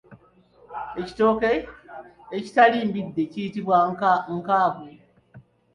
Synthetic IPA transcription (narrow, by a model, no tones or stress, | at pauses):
e̞ci̥to̞ke | eci̥taliːmbidːe̞cijitiβwaŋkaːβo